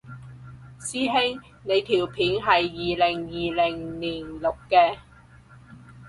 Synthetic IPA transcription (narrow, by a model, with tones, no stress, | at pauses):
siː˥ɦɪ˥ŋ | ne˨˧jt̪ʰiː˨˩wpʰiː˨˥nɦɐ˨jːiː˨lɪ˨˩ŋjiː˨lɪ˨˩ŋniː˨˩nlʊ˨kːɛː˧